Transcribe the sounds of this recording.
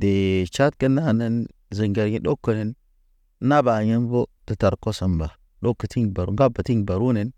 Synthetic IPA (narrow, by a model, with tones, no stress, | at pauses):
de˨t͡ʃa˦t̚kə˦nːa˦˨nə˦n | zə˨ŋɡe˨ɾɲi˦ɗo˦kːə˨ne˨n˦ | na˦ba˨ɲə˦nbo˦tə˨ta˨ɾko˦sa˨mba˨ | ɗo˦kːə˨ti˦ŋba˨ɾu˦ŋɡa˦bə˨ti˦ŋ˨ba˨ɾu˦ne˨˦n